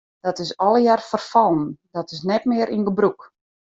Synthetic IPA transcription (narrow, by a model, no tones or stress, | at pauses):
d̥ɔtɪsɔlˠəjarfərfɔlˠn̩dɔtɪs̬nɛtmɪəɾʔinɡəbruk